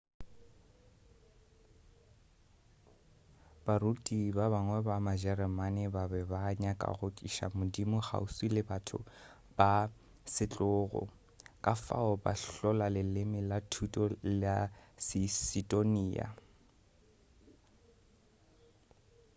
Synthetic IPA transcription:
b̥aɾutʼibabaŋwɛbamaʒɛrɛmanɪbabɛbaɲakʼa̰ɣʊtʼiʃa̰mʊdimʊχa̰usilɪbatʰʊ̰ | b̥a | sɪt͡ɬʼʊːɣɔ̰ | kʼafa̰ɔba̰ɬɔlalɪlɪmɪlatʰutʼɔlɪasɪsidʼoniːa̰

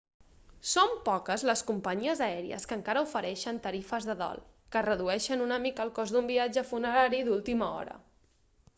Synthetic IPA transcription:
sompɔkəzləskumpəɲiəzəɛɾiə̰skəŋkaɾəufəɾɛʃənt̪əɾifəzðəðɔ̰lˠ | kərəðuɛʃənunəmikəːlˠkɔzd̪umbiad͡ʒəfunəɾaɾiðulˠt̪iməɔ̰ɾə̰

